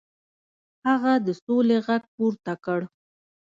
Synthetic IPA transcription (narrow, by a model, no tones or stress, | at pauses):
haɣad̪əsoleɣaɡ̚puɾt̪akəɽ